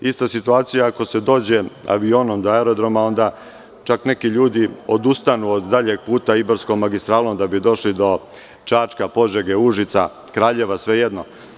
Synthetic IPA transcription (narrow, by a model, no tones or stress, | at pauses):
ist̪asit̪uaːt̪sijaːko̞se̞d̪o̞ːd͡ʑe̞a̰ʋio̞ːnomd̪oaeɾo̞d̪ɾo̞mao̞nd̪a | t͡ʃaknekiʎuːd̪io̞d̪ust̪anuod̪ːaʎeɡ̚puːt̪aiboɾsko̞mːaɡist̪ɾaːloond̪abid̪o̞ʃlid̪o̞ | t͡ʃaːt͡ʃkapo̞ʒeɡeuʒit̪sa̰ | kɾaːʎe̞ʋasʋe̞jed̪no